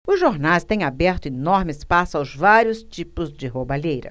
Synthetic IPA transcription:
ʊzʒoɾnajst̪ẽj̃abɛɾt̪ʊenɔɾmɪɪspasʊawzvaɾjʊst͡ʃipʊzd͡ʒɪɦobaʎejɾɐ̰

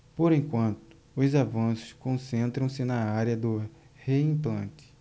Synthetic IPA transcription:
poɾẽkwɐ̃nt̪ʊ̥ | ʊzavɐ̃sʊ̥skõsẽnt̪ɾɐ̃w̃sɪnɐaɾjɐd̪ʊ | heĩplɐ̃nt̪ɪ̥

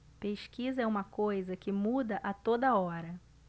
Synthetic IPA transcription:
peʃkizɐɛũmɐkojzɐkɪmud̪ɐʔɐt̪od̪ɐɔɾɐ

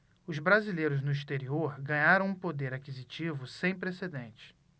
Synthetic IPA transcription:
ʊzbɾazilejɾʊznʊiʃt̪eɾioɾɡɐ̃ɲaɾɐ̃w̃ũpod̪eɾakizit͡ʃivʊsẽj̃pɾesed̪ẽnt͡ʃɪ̥

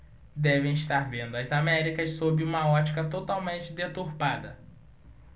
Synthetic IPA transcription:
d̪ɛvẽj̃iʃt̪aɾvẽnd̪ʊɐzamɛɾikɐssobɪũmɐɔt͡ʃikɐt̪ot̪awmẽnt͡ʃɪd̪et̪uɾpad̪ɐ

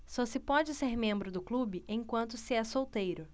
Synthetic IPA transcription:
sɔsɪpɔd͡ʒɪseɾmẽmbɾʊd̪ʊklubɪʔẽj̃kwɐ̃nt̪ʊsɪɛsowt̪ejɾʊ

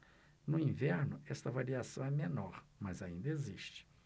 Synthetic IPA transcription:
nʊĩvɛɾnʊɛst̪ɐvaɾiasɐ̃w̃ɛmenɔɾmɐzaĩnd̪ɐeziʃt͡ʃɪ̥

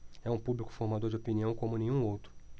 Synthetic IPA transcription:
ɛũpublikʊ̥foɾmad̪oɾd͡ʒɪopiniɐ̃w̃kõmʊnẽj̃ɲũowt̪ɾʊ

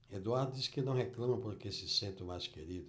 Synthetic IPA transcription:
ed̪uaɾd̪ʊd̪iskɪnɐ̃w̃heklɐ̃mɐ̃poɾkesɪsẽnt̪ʊmajskeɾid̪ʊ

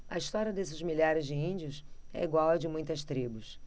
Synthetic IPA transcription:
ɐ̰ist̪ɔɾʲiɐd̪esɪzmiʎaɾɪzd͡ʒɪĩnd͡ʒiʊs | ɛ̰iɡwawɐd͡ʒɪmũj̃t̪ɐst̪ɾibʊs

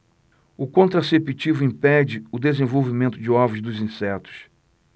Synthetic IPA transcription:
ʊkõnt̪ɾasepit͡ʃivʊĩpɛd͡ʒɪʊd̪ezẽvowvimẽnt̪ʊd͡ʒɪɔvʊzd̪ʊzĩsɛt̪ʊ̥s

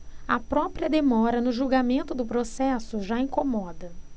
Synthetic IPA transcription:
ɐpɾɔpɾiɐd̪emɔɾɐnʊʒuwɡamẽnt̪ʊd̪ʊpɾosɛsʊʒaĩkomɔd̪ɐ

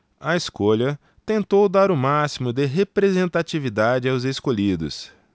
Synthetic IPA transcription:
ɐeskoʎɐ | t̪ẽnt̪owd̪aɾʊmasimʊd̪ɪɦepɾezẽnt̪at͡ʃivid̪ad͡ʒɪawzeskoʎid̪ʊ̰s

